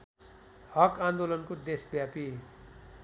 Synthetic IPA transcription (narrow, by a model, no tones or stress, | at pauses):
hʌkãnd̪olʌnkod̪esbjapi